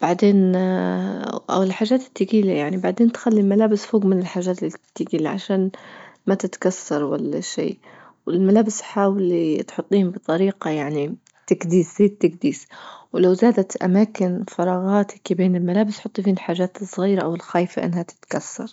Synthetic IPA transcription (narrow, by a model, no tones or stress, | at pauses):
b̥aʕd̪eːn | ʔa̰wɪlħaːʒːaːt̪ɪ̥t̪ːɪɡiːlajaʕnibaʕd̪eːnt̪xalːilmalaːbɪsfoːɡmɪnɪlħaːʒːaːt̪t̪ːɪɡiːlaʕa̰ʃaːnmat̪ɪt̪kasːɑɾˤwa̰lːa̰ʃḭː | wɪlmalaːbɪsħaːwlit̪ħʊt̪ˤːiːhʊmbɨt̪ˤɑɾiːqɑjaʕni | t̪aɡd̪iːszeːt̪ːɪkd̪iːswlawzaːd̪at̪ʔa̰maːkɪnfɑɾˤɑːɣaːt̪ɪkibeːnɪlmalaːbɪsħʊt̪ˤːifiːnɪlħaːʒaːt̪sˤːɣiːɾaʔawɪlxaːjfaʔɪ̰nːhat̪ɪ̥t̪kasːɑ̰ɾˤ